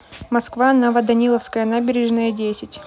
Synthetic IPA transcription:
mɐskvanɐvɐd̪ɐnʲilˠəfskəjənabʲɪɾʲɪʐnəjədʲesʲɪtʲ

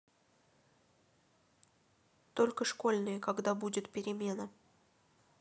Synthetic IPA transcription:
t̪o̞lʲkəʂko̞lʲnɨjəkɐɡd̪abudʲɪt̪pʲɪɾʲɪmʲe̞nə

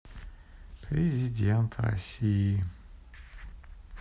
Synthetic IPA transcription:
pʰɾʲezʲid̪ʲɛnt̪ʰra̰sʲii

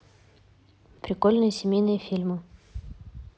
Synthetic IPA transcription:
pɾʲɪkolʲnɨjəsʲɪmʲejnɨjəfʲilʲmɨ

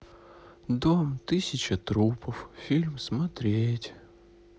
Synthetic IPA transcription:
d̪omt̪ɨsʲɪt͡ɕət̪ɾupəffʲilʲmsmɐt̪ɾʲetʲ

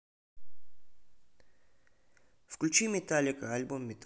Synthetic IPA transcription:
fklʲut͡ɕimʲɪt̪alʲɪkəalʲbumːʲɪt̪

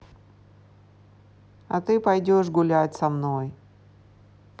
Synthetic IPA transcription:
ɐt̪ɨpɐjdʲoʂɡʊlʲatʲsɐmnoj

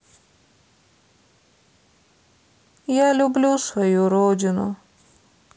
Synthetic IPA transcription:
jalublushojuɾoːd͡ʑuno̰

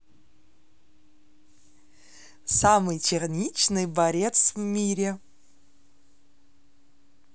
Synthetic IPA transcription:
samɨjtʲʰɪrnʲit͡ʃnɨjbaɾʲet̪svmʲiɾʲɪ

